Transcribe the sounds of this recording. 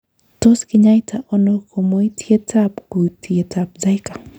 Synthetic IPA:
to˦skɪ˦ɲa˦jtʰa˨ʔɔ˦no˦kʰo˨mo˦itʰje˦tʰapko˨tʰje˨tʰap̚za˦jka˨

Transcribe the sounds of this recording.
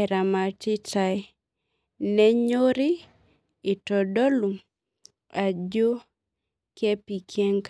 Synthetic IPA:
ɛɾa˨ma˨tɪ˦ta˨j | nɛ˦ɲo˦ɾɪ˦ | ɪ˨tɔ˨dɔ˦lu˨m | a˨d͡ʒo˦ | ke˦pi˨kʰe˦ŋk

